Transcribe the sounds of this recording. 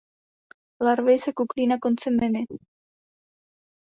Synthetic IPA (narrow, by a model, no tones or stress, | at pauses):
laɾβejsakuklinakont͡semːene